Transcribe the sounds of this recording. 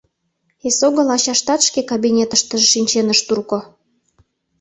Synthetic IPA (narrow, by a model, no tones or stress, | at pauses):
esoɣə̆lɑɕɑʃt̪ɑt̪ʃkekabinʲet̪əʃt̪əʒʃinʲt͡ɕenəʃt̪urko